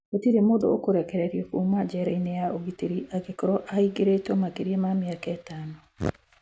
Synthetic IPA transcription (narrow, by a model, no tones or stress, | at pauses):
otiɾemodo̰okoɾɛkɛɾeɾiekumad͡ʒɛɾainejaoɡitiɾiʔaɡekoɾɔʔaiɡeɾetomakeɾiemamiakaɛtaːno